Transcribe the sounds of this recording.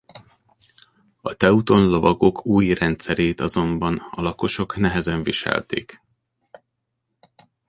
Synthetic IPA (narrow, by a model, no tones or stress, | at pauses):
ɒt̪ɛut̪o̞nlo̞vɒɡo̞kʰuːjrɛnt̪sɛɾeːt̪ɒzo̞mbɒnɒ̰lɒko̞ʃo̞knɛɦɛzɛɱviʃɛ̰lt̪ḛːk